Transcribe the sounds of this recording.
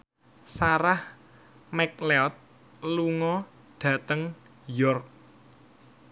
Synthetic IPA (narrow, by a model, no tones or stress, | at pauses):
saɾah | mɛk̚leɔt̪̚ | luŋɔ | ɖ̥ä̤t̪əŋ | jɔrk̚